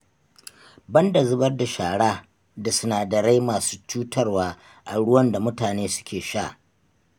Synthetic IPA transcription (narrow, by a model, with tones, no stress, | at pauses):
bɐ˦ndɐ˨zʊ˦bɐ˦rda˨ʃaː˨ɽaː˦ | da˨sʊ˦naː˨dɐ˨ɾa˦jmaː˨su̥ː˦t͡ʃuː˦tɐ˦rwaː˦ | ʔa˨ɽʊ˦wɐ˦nda˨mʊ˦taː˨neː˦sʊ̥˦kʲeː˨ʃaː˦˨ʔ